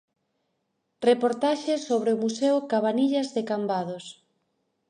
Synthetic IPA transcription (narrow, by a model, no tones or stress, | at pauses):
repoɾt̪aʃesːoβɾeʊmuseʊkaβaniʎɐzðekambaðos